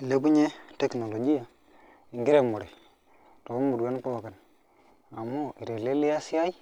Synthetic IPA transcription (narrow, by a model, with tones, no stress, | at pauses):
i˨le˦bu˦ɲe˦te˦kno˨lo˨d͡ʒi˦ja˨ | i˨ŋɡi˦ɾe˦mːo˨ɾe˨ | to˨ko˦mmu˨dɡa˦n˦po˦˨ka˨n | a˨mːo˦˨i˨ɾe˨le˦li˦ja˦si˦a˦i˦